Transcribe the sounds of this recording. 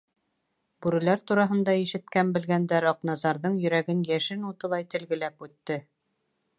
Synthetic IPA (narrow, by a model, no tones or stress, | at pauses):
bʉɾɘ̆læɾt̪uɾɑɦɤ̆nd̪ɑiʃɘ̆t̪̚kæmbɘ̆lɡænd̪æɾɒqnɑzɑɾðɤɴjɵ̆ɾæɡɘnjæʃɘnut̪ɤ̆lˠɑjt̪ɘ̆lɡɘ̆læpʉt̪ːɘ